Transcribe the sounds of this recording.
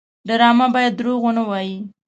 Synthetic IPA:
ɖaɾɑmabɑjad̪ːɾoɣonawɑji

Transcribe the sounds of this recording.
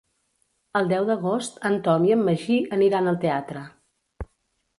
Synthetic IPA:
əlˠd̪ɛwd̪əɣost̪ənt̪ɔniəmːəʒiʔəniɾanəlˠt̪eat̪ɾə

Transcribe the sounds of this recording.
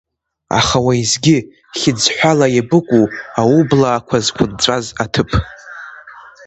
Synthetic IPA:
a̰χawaizɡʲɪ | χʲɪd͡zħʷᶣalajabɨkʷʼuaublaːkʷʰazkʷʰʊnt͡sʷʼazatʰɨpʰʼ

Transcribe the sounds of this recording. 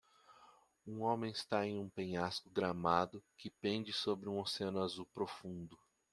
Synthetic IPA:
ũõmẽj̃ɪst̪aẽj̃ũpẽɲaskʊɡɾamad̪ʊkɪpẽnd͡ʒɪsobɾɪũoseɐ̃nʊazuwpɾofũnd̪ʊ

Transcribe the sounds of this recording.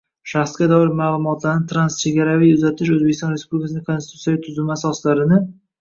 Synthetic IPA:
ʃaχsɡʲad̪ɒɪɾmaːlˠʊmɒt̪ʰlaɾnɪt̪ʰɾanst͡ʃʰeɡʲaɾavijʊzat̪ʰɪʃɵzbekʲɪst̪ɒnɾespublʲɪkʰasɪnɪŋkʰosɪt̪u̥t̪ijat̪ʰʊzɪmasɒslaɾɪnɪ

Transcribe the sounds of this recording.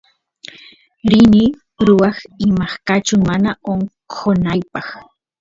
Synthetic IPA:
ɾɪni | ɾʊwɑχɪmɑχkat͡ʃʊmanaoɴqʰonajpɑχ

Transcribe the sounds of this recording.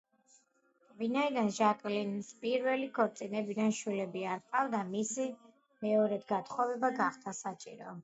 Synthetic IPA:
vinaid̪anʒakʼlinispʼiɾvɛlikʰɔɾt̪sʼinɛbid̪anʃwilɛbiaɾqʼavd̪amisi | mɛɔɾɛd̪ɡat̪ʰχɔvɛbaɡaχd̪asat͡ʃʼḭɾɔ

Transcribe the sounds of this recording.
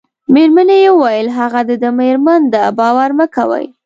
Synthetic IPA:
meɾmanejewajəlɦaɣad̪əd̪əmeɾmand̪əbɑwaɾnəka̰wə̰j

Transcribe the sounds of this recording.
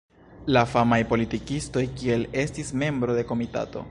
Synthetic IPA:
lafamajpo̞litikisto̞jkie̞le̞stisme̞mbɾo̞de̞ko̞mita̰to̞̰

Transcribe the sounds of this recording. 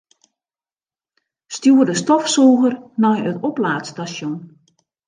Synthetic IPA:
stjuːədəstɔfsuːɣərnɔjətɔplaːtstaʃjon

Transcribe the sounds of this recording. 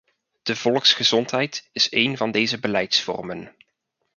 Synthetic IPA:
d̥əv̥ɔlˠəksχəz̥ɔntɦɛjtɪsejnvɑndejzəbəlɛjtsfɔ̰rmən

